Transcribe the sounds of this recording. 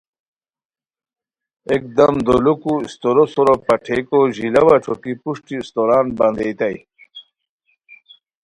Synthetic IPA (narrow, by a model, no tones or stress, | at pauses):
ek̚d̪ɐmd̪olukuist̪oɾosoɾopɐʈʰekoʑilɐwaʈ͡ʂʰokipuʂʈist̪oɾaːnbɐnd̪ejt̪aj